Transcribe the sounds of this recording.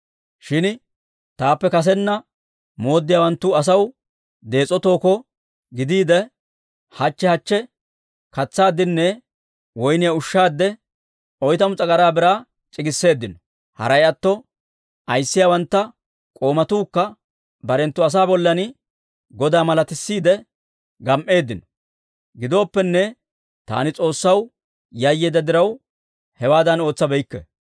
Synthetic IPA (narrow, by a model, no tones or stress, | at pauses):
ʃɪn | t̪aːpːɛkɐs̬ɛnːɐ | mo̞ːd̪ːɪjaːwɐnt̪ːʊɐs̬ɐw | d̪e̞ːt͡sʼːɔt̪o̞ːkɔ | ɡɪd̪iːd̪ɛ | hɐt͡ʃːɛhɐt͡ʃːɛ | kɐt͡sːaːd̪ːɪnːɛ | wɔjnɪjaʊʃːaːd̪ːɛ | ʔɔjt̪ɐmʊt͡sʼɐɡɐɾaːbɪɾaː | t͡ʃʼɪɡɪsːe̞ːd̪ːɪnɔ | hɐ̰ɾɐjɐt̪ːɔ | ʔɐjsːɪjaːwɐnt̪ːɐ | kʼo̞ːmɐt̪uːkːɐ | bɐɾɛnt̪ːʊɐs̬aːbɔlːɐnɪ | ɡɔd̪aːmɐlɐt̪ɪsːiːd̪ɛ | ɡɐmʔe̞ːd̪ːɪnɔ̥ | ɡɪd̪o̞ːpːɛnːɛ | t̪a̰ːnɪt͡sʼo̞ːsːɐw | jajːeːd̪ɐd̪ɪɾɐw | hɛwaːd̪ɐno̞ːt͡sːɐbɛjɪkːɛ̰